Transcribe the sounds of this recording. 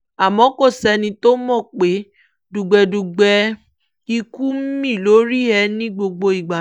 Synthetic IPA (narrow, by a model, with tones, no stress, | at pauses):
a˨mɔ̃˨˦ko˦˨sɛ˧nĩ˧to˦mɔ̃˦˨k͡pe˨˦ | du˨ɡ͡bɛ˨˧du˨ɡ͡bɛ˧ | i˧ku˦m̩˦mĩ˦˨lo˨˦ɾi˦ɛ˧˦nĩ˦ɡ͡bo˧ɡ͡bo˧i˨ɡ͡ba˨